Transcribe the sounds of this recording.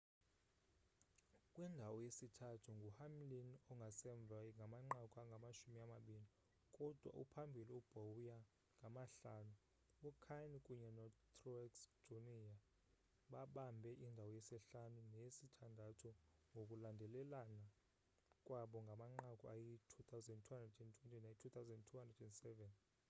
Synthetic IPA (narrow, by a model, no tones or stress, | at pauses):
kʼwindʱawɔjesitʰatʰuŋɡʱuhamlinɔŋɡʱasɛɱb̪vʱaŋɡʱamaŋ͡ǃakʼwaŋɡʱamat͡ʃumiamaɓili | kʼɔd̥ʱwa̰ʔṵpʰambʱiliub̥ʱowuja | ŋɡʱamaɬaːnu | ukʰankʼuɲɛnɔtʰrɔksd͡ʒ̥onija | ɓaɓambʱɛʔindʱawɔjɛsɛɬanunesitʰandʱatʰɔŋɡʱokʼulandʱɛlɛlana | kʼwaɓɔŋɡʱamaŋ͡ǃakʼɔajitʰut̪ʰawzɛndtʰuhandrɛdɛntʰwɛntʰʼinajitʰut̪awzɛndtʰuhandradɛndsɛvɛn